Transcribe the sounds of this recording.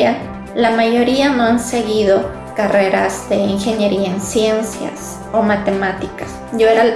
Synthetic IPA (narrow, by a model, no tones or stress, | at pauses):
a | lamajo̞ɾianoanseɣiðo | kareɾazd̪eiŋxenjeɾiaensjensja̰s | omat̪emat̪ikḁs | ʝoeɾa